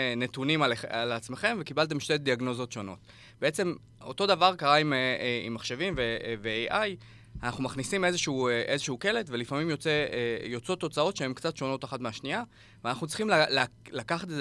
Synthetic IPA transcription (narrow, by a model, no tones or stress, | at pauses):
ne̞tunimalealat͡sme̞χe̞mvekibalt̬e̞mʃtediaɡno̞zo̞t̪ʃo̞no̞̰t̪ | b̥ee̞t͡se̞m | o̞̰to̞davaʁkaʁaimeḭmːaχʃe̞vimveveeʔaj | anaχnumaχnisime̞zeʃuuʔe̞zeʃeuke̞le̞tvelifamimjo̞t͡se̞ejo̞t͡so̞t̪o̞t͡sao̞t̪ʃee̞mkt͡sat̪ʃo̞no̞t̪aχatmeaʃnia | veanaχnut͡siχimlallakaχat̪e